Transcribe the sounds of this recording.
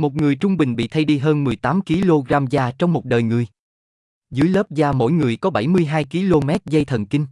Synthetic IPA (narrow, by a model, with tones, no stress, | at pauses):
mo˨˩t̚ŋɨ˨˩əjt͡ɕʊ˧ŋ͡mɓï˨˩ŋ̟ɓḭ˧˨t̪ʰa˧jɗi˧ɦəː˧nmɨ˨˩əjt̪aː˨˦mki˨˦lo˧ɣaː˧mzaː˧t͡ɕɔ˧wŋ͡mmo˨˩t̚ɗəː˨˩jŋɨ˨˩əj | zɨ̰˧˦əjləː˦˥p̚zaː˧mo̰˧˥jŋɨ˨˩əjkɔ˨˦ɓa˧˩jmɨ˧əjɦaː˧jki˨˦lo˧mɛ˦˥t̚zə˧jt̪ʰə˨˩nki˧ŋ̟